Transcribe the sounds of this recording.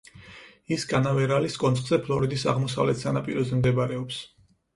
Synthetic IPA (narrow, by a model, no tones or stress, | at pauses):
iskʼanavɛɾaliskʼɔnt̪sʼχʼz̥ɛpʰlˠɔɾid̪isa̰ʁmɔsa̰vlɛt̪ʰsanapʼiɾɔzɛmd̪ɛbaɾɛɔps